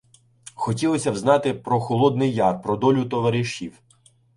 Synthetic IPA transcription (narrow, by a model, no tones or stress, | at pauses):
xɔtʲilˠɔsʲɐwznɑt̪ɪpɾɔxɔlˠɔd̪nɪjːɑrpɾɔd̪ɔlʲʊt̪ɔʋɐɾɪʃiw